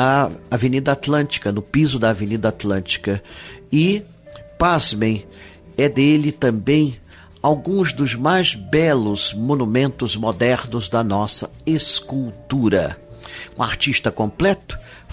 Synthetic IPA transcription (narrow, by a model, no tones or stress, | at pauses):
ɐavenid̪ɐat̪lɐ̃nt͡ʃi̥kɐnʊpizʊd̪ɐavenid̪ɐat̪lɐ̃nt͡ʃi̥kɐɪ | pazmẽj̃ | ɛd̪elɪt̪ɐ̃mbẽj̃ | awɡũzd̪ʊzmajzbɛlʊzmõnumẽnt̪ʊzmod̪ɛɾnʊzd̪ɐnɔsɐeskuwt̪uɾɐ̰ũa̰ɾt͡ʃiʃt̪ɐkõmplɛt̪ʊ̥